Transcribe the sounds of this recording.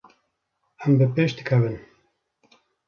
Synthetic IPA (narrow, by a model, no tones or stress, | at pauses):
æmbɨpeːʃd̪ɨkʰɐvɨn